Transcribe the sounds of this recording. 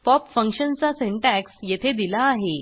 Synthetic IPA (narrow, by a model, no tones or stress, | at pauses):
pɔpfəŋkɕənt͡saseɳʈæksjet̪ʰed̪ilaːɦe